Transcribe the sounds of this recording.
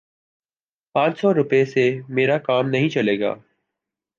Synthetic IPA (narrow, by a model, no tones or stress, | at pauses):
pãːt͡ʃsɔɾʊpesemeːɾakaːmnɐɦĩt͡ʃɐleːɡa̰ː